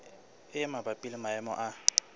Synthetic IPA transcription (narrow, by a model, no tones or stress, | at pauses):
ɛmabapʼilimaɛmɔ̰ʔa